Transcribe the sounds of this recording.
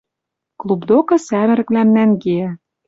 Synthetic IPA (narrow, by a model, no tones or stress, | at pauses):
klˠubd̪okɤ̆sæmɘ̆ɾɘ̆klæmnæŋɡeæ